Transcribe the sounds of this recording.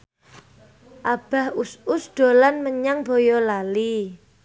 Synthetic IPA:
ʔab̥a̤husʊsd̪̥o̤lanməɲaŋbojɔlali

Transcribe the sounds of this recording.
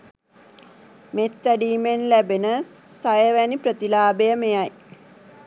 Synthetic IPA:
met̪ʋæɖiːmenlæbenəsajəʋæniprət̪ilaːbejəmejaj

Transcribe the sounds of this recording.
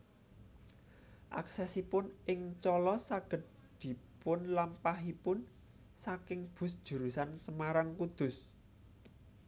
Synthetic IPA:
ʔa̰ksɛsipʊnʔɪŋt͡ʃɔlɔsaɡ̥ə̤t̪̚ | d̪̥i̤pʊnlampaɦipʊn | sakɪŋb̥ʊ̤sd̥ʒ̥ṳɾusansəmaɾaŋkud̪̥ʊ̤s

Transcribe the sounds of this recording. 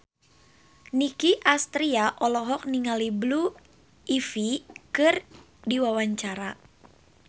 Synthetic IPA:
nikiʔast̪ɾiaʔɔlɔɦɔk̚niŋaliblu | ifikɨr | diwawaɲt͡ʃaɾa

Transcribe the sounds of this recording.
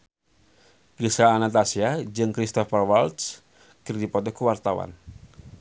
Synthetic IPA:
kisaːnat̪asiad͡ʒɨŋkɾist̪ɔfarwalt̪s | kərdipɔt̪ɔkuwart̪awa̰n

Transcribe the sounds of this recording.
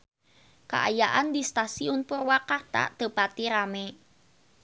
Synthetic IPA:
ka̰ʔa̰jaʔandist̪asiʊnpʊrwakart̪a̰t̪əpat̪iɾame

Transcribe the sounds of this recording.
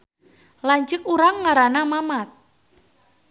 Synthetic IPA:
laɲt͡ʃəkuɾaŋːaɾanamamat̪̚

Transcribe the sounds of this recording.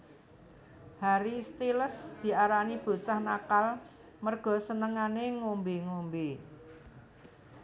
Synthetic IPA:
haɾist̪iləsd̪̥i̤aɾanib̥o̤t͡ʃahnakal | mərɡ̥ɔ̤sənəŋaneŋombeŋombe

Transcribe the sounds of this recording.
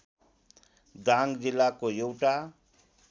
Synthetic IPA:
d̪ãŋɡd͡zilːakoewʈa

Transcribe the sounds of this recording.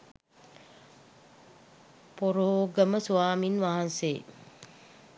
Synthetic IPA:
poɾoːɡəməsuʋaːminʋaɦanse

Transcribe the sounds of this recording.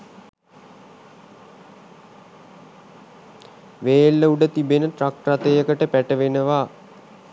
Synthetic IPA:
ʋeːlːəuɖət̪ibenəʈrakrat̪əjəkəʈəpæʈəʋenəʋaː

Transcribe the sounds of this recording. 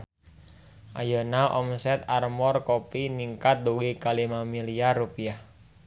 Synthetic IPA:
ʔajonaʔɔ̰msɛt̪armɔrkopiniŋkat̪̚d̪uwikalimamiliaɾupiah

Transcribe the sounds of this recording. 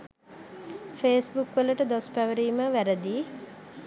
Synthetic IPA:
feːsbukʋələʈəd̪ospæʋəɾiːməʋæɾəd̪iː

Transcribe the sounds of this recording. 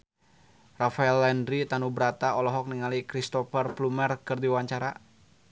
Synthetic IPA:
rafaɛlːɛndɾit̪anubəɾat̪aɔlɔɦɔk̚niŋalikɾist̪ɔfɛrplumɛrkɨrdiwaɲt͡ʃaɾa

